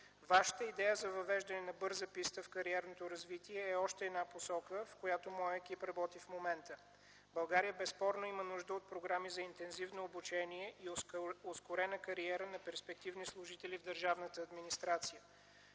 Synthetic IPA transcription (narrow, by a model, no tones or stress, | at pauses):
vaʃə̥t̪əid̪ɛjəzɐvɐvɛʒd̪ɐnɛnɐbɤɾzəpist̪əfkɐɾiɛɾnot̪oɾɐzvit̪iɛːɔʃt̪ɛɛːd̪naposɔkəfkojat̪omɔjəɛk̟ipɾɐbɔt̪ifmomɛnt̪ə | bɐlˠɡaɾijəbɛspɔɾnoimənuʒd̪əot̪̚pɾoɡɾamizɐint̪ɛnzivnoːbut͡ʃɛniɛʔioskoɾɛnəkɐɾiɛɾənɐpɛɾspɛk̚t̪ivnislˠʊʒit̪ɛlivd̪əɾʒavnət̪əːd̪minist̪ɾat̪sijə